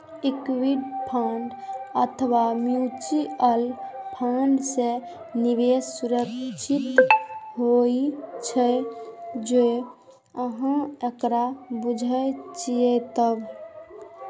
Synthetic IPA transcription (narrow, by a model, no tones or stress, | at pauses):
ikwiɖpʰaɳɖət̪ʰəʋamjut͡ʃiəlpʰaɳɖse | niʋesːuɾəkt͡ʃʰit̪ɦoit͡ʃʰə | d͡ʒe | əɦãekɾabud͡ʒʱət͡ʃijet̪əb